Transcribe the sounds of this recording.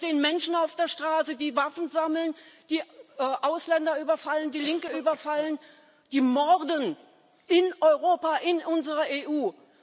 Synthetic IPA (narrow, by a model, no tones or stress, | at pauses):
teːənmɛnʃn̩aʊfd̥eːɐʃtʁ̥aːsədiːvafn̩zaml̩nd̥iːʔaʊslɛndɐyːbɐfaləndiːlɪŋkəʔyːbɐfalən | d̥iːmɔʁdən | ʔɪnʔɔʏʁoːpaʔɪnʔʊnzəʁɐʔeːʔuː